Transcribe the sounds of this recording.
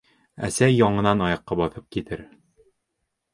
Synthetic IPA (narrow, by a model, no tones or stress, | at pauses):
æ̰sæjɒɴɤ̆nɑnɒjɑqːɑbɒθɤp̚kit̪ɘɾ